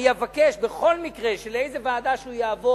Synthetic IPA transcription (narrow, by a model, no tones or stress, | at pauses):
jevakeʃbeχo̞lmikʁeʃele̞jzevaːd̪aʃeujaːvo